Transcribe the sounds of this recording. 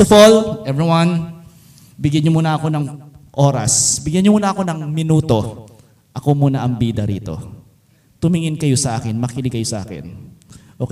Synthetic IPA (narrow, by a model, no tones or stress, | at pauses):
ʊfolʔɛvɹiwɐn | bɪɡjaɲːomuːnɐɐko̞nɐŋʔo̞ːɾɐ̰sbɪɡjanɲɲomuːnɐɐko̞nɐŋmɪnuːt̪o̞ | ʔɐko̞muːnɐʔɐŋbiːd̪ɐɾḭːt̪o̞̰ | t̪ʊmɪŋɪnkɐjo̞sɐʔaːkɪnmɐkiːlɪkɐjo̞sɐʔa̰ːkɪ̰nʔok